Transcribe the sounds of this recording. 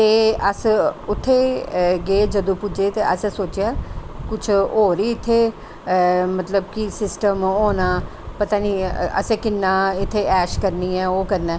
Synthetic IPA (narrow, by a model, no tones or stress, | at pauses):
t̪eːəsʊt̪ʰːeːɡeːd͡ʒəd̪õːpʊd͡ʒeːt̪eːəsɛ̃ːsoːt͡ʃɪjaːkʊt͡ʃʰoːɾiːɪt̪ʰːeː | mət̪ləbkisɪsʈəmoːnaː | pət̪aːniːə̰sẽːkɪnːaːɪt̪ʰːeːɛːʃkəɾniːɛːoːkəɾnɛː